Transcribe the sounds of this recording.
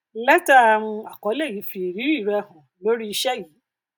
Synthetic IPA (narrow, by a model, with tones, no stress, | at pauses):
lɛ˦ta˦˨w̃ũ˧a˨kɔ˨˦le˦˨ji˨˦fi˨ɾi˨˦i˦˨ɾɛ˧˦hɔ̃˨lo˦ɾi˦i˧ʃɛ˦ji˨˦